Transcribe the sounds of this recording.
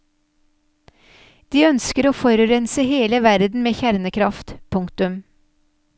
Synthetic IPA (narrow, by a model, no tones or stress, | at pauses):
d̪̥iːœnskəɾoːfɔɾʉɾɛnsəheːləʋæɾd̪n̩meːçæɾnəkʰɾɑft̪pʰʊŋkt̪ʉm